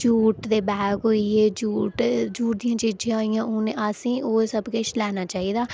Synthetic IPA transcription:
d͡ʒuːʈd̪eːbɛːɡɦoieːd͡ʒuːʈd͡ʒuːʈ̚d̪ijãːt͡ʃiːd͡ʒãːijãːʔʊneasĩːʔoːsəbket͡ʃlɛːnaːt͡ʃaːɦiːd̪aː

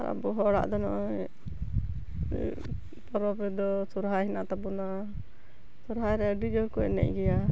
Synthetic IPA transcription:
aɾa̰bɔɦɔɽa̰ʔd̪ɔnɔ̰ʔɔ | pɔɾɔpɾɛd̪ɔsuɾɦajɦɛnaʔt̪abɔna | suɾɦajɾɛaɖid͡ʒɔkɔnɛ̰ʔ̚ɡɛja

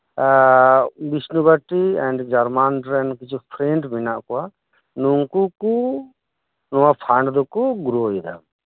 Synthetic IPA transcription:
bisnubaʈiɛ̃ɳɖd͡ʒaɾmanʈɾɛnkit͡ʃʰupʰɾeɳʈminaʔkɔa | nuŋkuku | nɔwapʰaɳɖd̪ɔkɔɡuɾuid̪a̰m

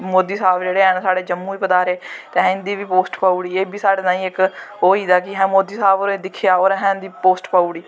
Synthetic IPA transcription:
moːd̪iːsaːbd͡ʒeːɽeːɛ̃ːnsaːɽeːd͡ʒəmːuːʋiːpəd̪aːɾeːt̪eːɦɛ̃ːɪ̃nd̪iːʋiːpoːsʈpaːuɽiːeːbiːsaːɽeːnaːĩːɪkoːiːd̪aːkɪɦɛ̃ːmoːd̪iːsaːboːɾeːd̪ɪkʰːejaːoːɾɦɛ̃ːnd̪iːpoːsʈpaːuɽiː

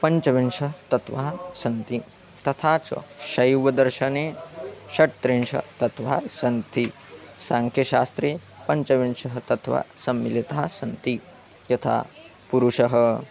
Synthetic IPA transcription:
pɐɲt͡ʃɐʋinʃɐt̪ɐt̪ʋaːsɐnt̪i | t̪ɐt̪ʰaːt͡ʃɐ̰ʃɐjʋɐd̪ɐɾʃɐneːʃɐʈt̪ɾenʃɐ̰t̪ɐt̪ʋaːsɐnt̪i | saːŋkʰjɐʃaːst̪ɾeː | pɐɲt͡ʃɐʋinʃɐɦɐt̪ɐt̪ʰʋa̰ːsɐmːilit̪aːsɐnt̪i | jɐt̪ʰa̰ː | puɾuʃɐɦɐ̆

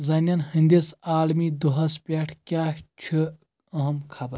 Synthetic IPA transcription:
zɐnʲɐnhind̪esaːlmid̪uɦɐspʲeʈʰkʲaːt͡ʃʰi | ɐɦɐmkʰabɐ

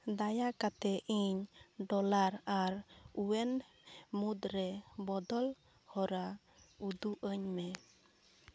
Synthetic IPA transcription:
d̪ajakat̪ɛʔiɲɖɔlaɾaɾuɛn | mud̪ɾɛbɔd̪ɔl | hɔɾa | ud̪uʔəɲmɛ

